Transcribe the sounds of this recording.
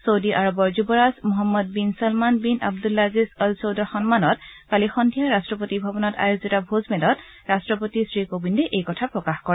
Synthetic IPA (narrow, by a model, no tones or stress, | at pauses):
sowdiʔaɹɔbɔɹzubɔɹazmɔɦɔmːɔd̚binsalmanbina̰b̚dulːazizɔlsowdɔɹxɔnmanɔtkalixɔndʱijaɹastɹɔpotibʱɔbɔnɔta̰jozitabʱozmɛdɔt | ɹastɹɔpotisɹikobindɛʔejkɔtʰapɹɔkaxkɔɹɛ